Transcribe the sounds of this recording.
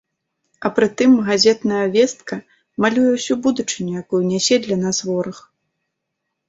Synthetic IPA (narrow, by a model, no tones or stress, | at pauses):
ɐpɾɨt̪ɨmɣazʲɛt̪nɐjɐvʲɛst̪̚kɐ | malʲujɛwsʲubud̪ut͡ʂɨnʲujakujunʲasʲɛd̪lʲanasvɔɾɐx